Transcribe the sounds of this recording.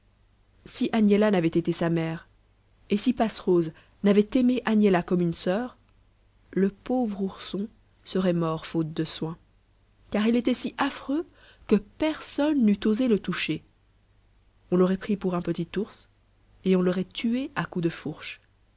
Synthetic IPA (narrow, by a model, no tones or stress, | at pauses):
siʔanjelanavɛt̪et̪esamɛːʁ | esipasχoz | navɛt̪emeʔanjelakɔmynsœːʁ | ləpovʁuʁsɔ̃ | səʁɛmɔʁfot̪̚d̪əswɛ̃ | kaʁilet̪ɛsiʔafχø | kəpɛʁsɔnːyt̪ozelət̪uʃe | ɔ̃lɔʁɛpχipuʁɛ̃pət̪it̪uʁs | eɔ̃lɔʁɛt̪ʰyeakud̪əfuʁʃ